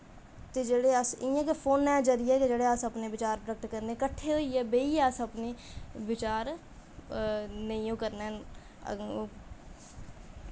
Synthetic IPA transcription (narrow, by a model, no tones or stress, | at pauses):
t̪eːd͡ʒeːɽeːəsɪjãːkepʰoːnːɛ̃ːd͡ʒəɾɪjɛːked͡ʒeːɽeːəsəpneːʋɪt͡ʃaːɾpɾəkət̪kəɾneɛkəʈʰːeːɦoiːɛːbeːiːsəpneːʋɪt͡ʃaːɾ | nəĩːõːkəɾnɛ̰ː